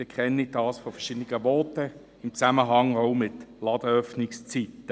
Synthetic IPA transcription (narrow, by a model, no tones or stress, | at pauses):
əkʰχɛnːid̥ɑːsfɔfɛʁʃɪd̪əniɡəʋɔːtə | ɪmt͡sæməɦɑŋoʊmɪtlɑd̪əœfnɪkst͡sitːə